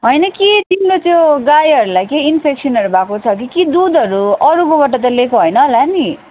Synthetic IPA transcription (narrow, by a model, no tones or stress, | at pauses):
ɦʌjnʌkit̪imlot̪joɡajʌɾulajkeinpʰeksiʌnʌɾubʱakot͡sʰʌk̬ikid̪ud̪ʱʌɾuʌɾukõbaʈ̬ʌt̪̬ʌlekoɦʌjnʌːlani